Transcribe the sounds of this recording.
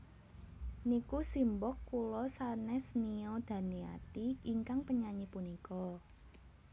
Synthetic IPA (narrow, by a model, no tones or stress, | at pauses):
nikusimbɔkːulɔsanɛsniod̪̥ä̤nia̰t̪iiŋkaŋpəɲaɲipunikɔ